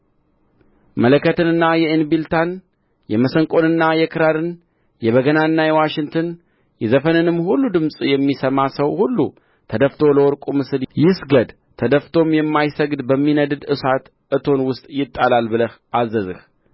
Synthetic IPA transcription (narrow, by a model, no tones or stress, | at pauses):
mələkʰːət̪ʰɨnɨnːajɛinbilt̪ʰan | jɛməsəŋkʼo̞nɨnːajɛkʰɨɾaɾɨn | jɛβəɡənaɨnːajɛwaʃɪŋt̪ʰɨn | jɛzəfənɨnɨmːhulːud̪ɨmsʼjɛmːisəmasəwhulːu | t̪ʰəd̪əft̪ʰo̞ləwɔɾkʼumɨsɨljɪsɡəd̪ | t̪ʰəd̪əft̪ʰo̞mjɛmːajsəɡd̪bəmːinəd̪ɨd̪ɨsat̪ | ʔɨt̪ʰo̞nwʊst̪ʼjɪt̪ʼːalalbɨləhʔazːəzɨ̰h